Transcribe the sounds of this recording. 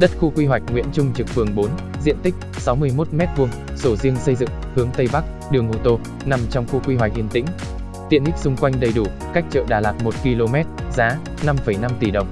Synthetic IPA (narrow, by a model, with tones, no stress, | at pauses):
ɗə˦˥t̚xu˧kwi˧ɦwa˨˩jk̟̚ŋwḭ˧˥ənt͡ɕʊ˧ŋ͡mt͡ɕɨ˨˩k̚fɨ˨˩əŋɓo˨˦n | zḭ˧˨ənt̪ï˦˥k̟̚ | sa˨˦wmɨ˧əjmo˦˥t̚mɛ˦˥t̚vu˧əŋ | so˧˩zi˧əŋsə˧jzɨ̰˧˨ŋ | hɨ˨˦əŋt̪ə˧jɓa˦˥k̚ | ɗɨ˨˩əŋʔo˧t̪o˧ | na˨˧mt͡ɕɔ˧wŋ͡mxu˧kwi˧ɦwa˨˩k̚hi˧˨ənt̪ḭ˧˥ŋ̟ | t̪ḭ˧˨ənʔi˦˥k̚sʊ˧ŋ͡mkwa˧jŋ̟ɗə˨˩jɗu˧˩ | ka˦˥jk̟̚t͡ɕə̰ː˧˨ɗaː˨˩laː˨˩k̚mo˨˩t̚ki˧lo˧mɛ˦˥t̚z̥aː˨˦ | na˧mfə˧˩jna˧mt̪i˧˩ɗə˨˩wŋ͡m